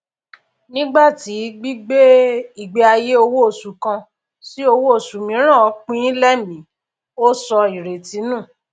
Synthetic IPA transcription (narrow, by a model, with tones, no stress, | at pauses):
nĩ˦ɡ͡ba˦˨ti˨˦ɡ͡bi˦ɡ͡be˦i˦˨ɡ͡be˧a˧je˦o˧wo˦o˦˨su˨kã˧ | si˦o˧wo˦o˦˨su˨mĩ˨˦ɾ̃ã˦˨ɔ˨˦k͡pĩ˦lɛ˦mĩ˨˦ | o˦sɔ˧i˨ɾe˨ti˨˦nũ˦˨